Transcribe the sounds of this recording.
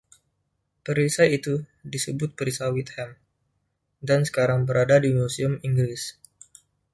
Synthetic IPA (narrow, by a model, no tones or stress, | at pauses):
pəɾisait̪udisəbʊt̪̚pəɾisawit̪̚hɛm | dansə̥kaɾaŋbəɾʔadadimusiəmiŋɡɾɪs